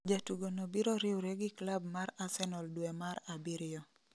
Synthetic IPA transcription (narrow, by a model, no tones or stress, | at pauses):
d͡ʒatuɡonobiɾoɾɪwɾeɡɪklabmaɾasɛnɔldwɛmaɾabiɾɪɔ